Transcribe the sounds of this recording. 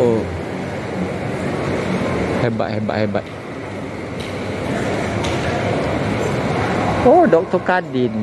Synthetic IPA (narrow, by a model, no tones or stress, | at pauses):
o | hɛba̰ʔhɛba̰ʔhɛba̰ʔ | odɔk̚t̪ɔkadin